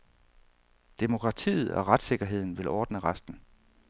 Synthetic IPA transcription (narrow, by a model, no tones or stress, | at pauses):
d̥emo̝kʰʁɑ̈t͡sʰḭːð̞̩ˠɒ̽ʁad̥se̝ɡ̥ɐɦe̝ð̰ˠn̩ʋe̝lʔɒːd̥nəʁɑsd̥n̩